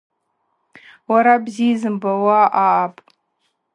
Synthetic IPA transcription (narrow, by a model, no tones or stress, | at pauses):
waɾabzizɨmbawaʔaːpʼ